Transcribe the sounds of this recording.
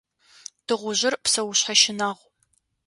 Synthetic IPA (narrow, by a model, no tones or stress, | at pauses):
d̥ɨʁʷʊʑɪrpsɐwʊɕħaʃɪnaʁʷ